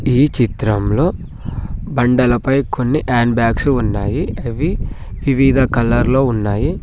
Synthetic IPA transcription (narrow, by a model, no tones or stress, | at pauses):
iːt͡ʃit̪ɾɐmlo̞ː | bɐɳɖɐlɐpɐjkʰo̞nːiʔaːnbaːksuunːaːjiɐʋi | ʋiʋiːd̪ʱɐkɐlɐɾlo̞ːunːaːji